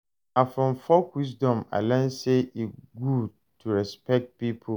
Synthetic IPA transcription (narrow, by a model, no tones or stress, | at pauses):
afɾɔ̃ɱfɔkwis̬dɔ̃ma̰lɛ̃nseʔiɡud̚ | tʰuɹɛspɛk̚t̚pipʰo